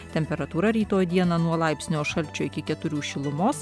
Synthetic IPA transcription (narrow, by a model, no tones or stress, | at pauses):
t̪ʲɛmʲpʲɛɾɐt̪uːɾɐɾʲiːt̪oːjd̪ʲiɛnɐnuɔlˠɑˑɪpʲsʲnʲoːʃɐlʲt͡ʃʲʊɪkʲɪkʲɛt̪ʊɾʲuːʃʲɪlˠʊmoːs